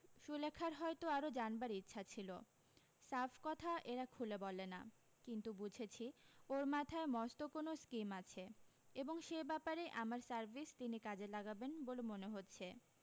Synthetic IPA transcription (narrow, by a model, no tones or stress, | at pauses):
ʃulekʰːaɾɦɔet̪oaɾod͡ʑanbaɾitːɕʰat͡ɕʰilo̰ | safʰkɔt̪ʰaʔeɾakʰulebɔlena̰ | kint̪ubud͡ʑʱet͡ɕʰioɾmat̪ʰaemɔst̪okonoskimat͡ɕʰeeboŋʃejbɛpaɾejʔamaɾsaɾbʱist̪inikad͡ʑelaɡabenbolemoneɦotːɕʰe